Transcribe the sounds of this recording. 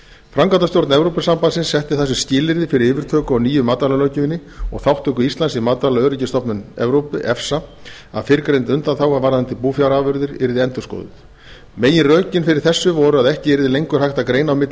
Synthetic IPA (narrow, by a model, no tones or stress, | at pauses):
fɾamkant̪ast̪jowɾt̪nɛvɾowpɪsampansɪnsːɛht̪ɪθas̬ːʏscɪːlɪɾðɪfɪɾɪɾɪːvɪɾ̥t̪ʰœːkʏawniːjʏmaːt̪alalœːcʏɪnːɪɔ̰ɣθawht̪ʰœhkʏist̪lansɪmaːt̪alaœːɾɪcɪst̪ɔpnʏnɛ̰vɾowpʏʔɛfsa | a̰ðfɪɾkɾejnt̪ʏnt̪anθawɣavaɾðant̪ʰɪpuːfjawɾaːvʏɾðɪɾɪ̰ɾðɪɛnt̪ʏsko̰ːðʏ̰θ | meːjɪrœːɥcɪnfɪɾɪɾ̥θɛsːʏvɔɾʏaðɛhcɪɛɾðɪlejŋkʏɾ̥hajht̪akɾeːjnawmɪt̪lɪ